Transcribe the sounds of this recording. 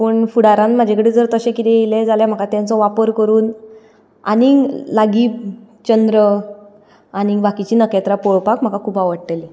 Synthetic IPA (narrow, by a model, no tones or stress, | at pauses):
pəɳfuɽaɾãnm̤ad͡ʑʱekəɽed͡zəɾt̪əɕẽkit̪ɛ̃jeled͡zaljam̤əkat̪jãnt͡sɔʋapəɾkəɾuːn | a̰nilaɡiː | t͡ɕənd̪ɾə | anibakit͡ɕiːnəkɛt̪ɾapɔɭpakm̤akakʰuːpaʋəɽʈ̪eli